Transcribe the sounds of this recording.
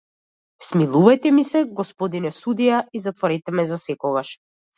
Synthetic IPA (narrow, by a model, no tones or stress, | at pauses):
smilˠuvajt̪ɛmisɛɡɔspɔd̪inɛsud̪ijaizat̪vɔɾɛt̪ɛmɛzasɛkɔɡaʃ